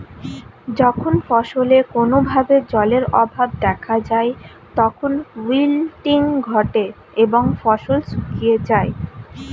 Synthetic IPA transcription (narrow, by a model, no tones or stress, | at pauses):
d͡ʑɔkʰonfɔʃolekonobʱabed͡ʑɔleɾɔbʱab̚d̪ɛkʰad͡ʑae | t̪ɔkʰonwilʈiŋɡʱɔʈe | eboŋfɔʃolsukied͡ʑae